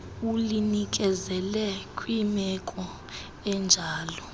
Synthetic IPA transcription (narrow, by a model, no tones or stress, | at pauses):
ulinik̬ʼɛzɛlɛkʼwimɛkʼɔ | ɛnd͡ʒʱaːlɔ